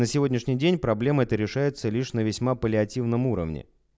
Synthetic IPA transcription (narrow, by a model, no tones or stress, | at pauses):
nəsʲɪvo̞dʲnʲɪʂnʲɪjdʲenʲpɾɐblʲe̞məɛt̪əɾʲɪʂajɪt̪səlʲiʂnəvʲɪsʲmapəlʲɪɐtʲivnəmuɾə̰vnʲɪ̰